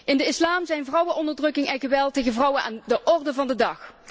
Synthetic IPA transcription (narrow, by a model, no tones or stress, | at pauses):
ʔɪndəɪslaːmzɛjnvrʌwənɔndəɹdrɵkɪŋɛnɣəʋɛlˠtejɣənvrʌwənʔa̰ːndəʔɔrdəvɑndədɑχ